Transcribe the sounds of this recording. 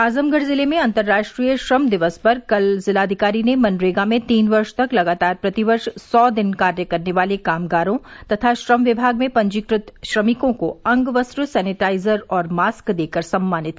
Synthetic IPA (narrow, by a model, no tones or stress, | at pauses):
aːzəmɡəɽzɪlemẽɐ̃nt̪əɾːaːʃʈɾijəʃɾəmd̪ɪʋəspɐɾkɐlzɪlaːd̪ʱɪkaːɾinemɐ̃nɾeːɡamẽt̪iːnʋɐɾʃt̪ɐklɐɡaːt̪aːɾpɾɐt̪ɪʋɐɾʃsɔːd̪ɪnkaːɾjəkɐɾneʋaːlekaːmɡaːɾõt̪ɐt̪ʰaʃɾəmʋɪbʱaːɡ̚mẽpɐ̃ɲd͡ʒɪkɾɪt̪ʃɾɐmɪkõkoɐ̃ŋɡʋɐsɾusɛːnɪʈaːɪzəɾɔːɾmaːskd̪eːkəɾsɐ̃mːaːnɪt̪